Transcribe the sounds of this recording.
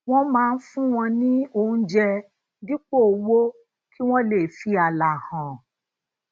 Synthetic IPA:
w̃ɔ̃˦mãː˦˧n̩˦fũ˦w̃ɔ̃˧nĩ˦o˧˨ũ˦d͡ʒɛ˧ | di˦k͡po˦˨wo˦ | kʰi˦w̃ɔ̃˦le˨fi˨a˨la˨hã˨

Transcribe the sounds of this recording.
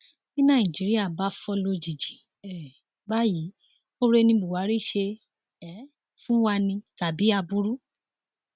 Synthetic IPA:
ĩ˦nã˧˦˨ĩ˨d͡ʒi˨˦ɾi˦a˦˨ba˨˦fɔ˧lo˧d͡ʒi˨d͡ʒi̥˨ | ɛ˨ | ba˦ji˨˦ | o˦ɾe˧nĩ˧bu˨wa˨˦ɾi˦˨ʃe˧ | ɛ˨˦ | fũ˦wa˧nĩ˧ta˨bi˨˦a˧bu˦ɾu˦

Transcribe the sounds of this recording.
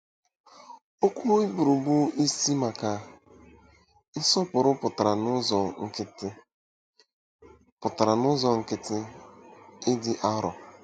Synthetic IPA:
o˦kʷu˦i˦bu˨ɾu˨bu˦i˦si˦ma˨ka˨ | ɪ˦sɔ˦pʊ˨ɾʊ˦pʊ˨ta˨ɾa˨nʊ˦˨ŋ̩˦k | pʊ˨ta˨ɾa˨nʊ˦zɔ˨ŋ̩˦kɪ˦tɪ˦ | ɪ˦dɪ˨ʔa˦ɾɔ̰˨

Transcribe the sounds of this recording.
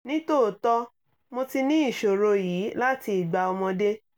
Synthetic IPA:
nĩ˦to˦˨tɔ˦ | mo˧ti˧nĩ˦i˦˨ʃo˨ɾo˧jiː˨˦la˦ti˧i˨ɡ͡ba˧ɔ˧mɔ̃˧de˦

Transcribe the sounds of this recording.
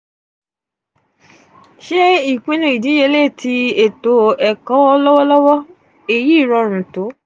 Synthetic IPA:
ʃe˦i˦˨k͡pĩ˦nũ˧˦i˨dĩ˨˦je˧˦le˦˨tʰi˧e˨to˨˦ɛ˨kɔ̃˨˦ɔ˧lɔ˦wɔ˦lɔ˦wɔ˦ | e˨ji˦˨ɾɔ˧ɾ̃ũ˨to˨˦

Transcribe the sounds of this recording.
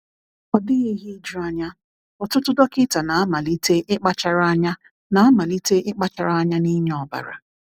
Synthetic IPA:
ɔ˨dɪ˦ɣi˦ɦi˦d͡ʒa˦ɲa˦ | ɔ˨tʊ˦tʊ˦dɔ˦kɪ˦ta˨na˨a˦ma˨li˦te˦ʔɪ˦k͡pa˦t͡ʃa˨˦ɾa˦ɲa˦ | na˨a˦ma˨li˦te˦ʔɪ˦k͡pa˦t͡ʃa˨ɾa˦a˦ɲa˦ni˦ɲ˦ɔ˨ba̰˨ɾa̰˨

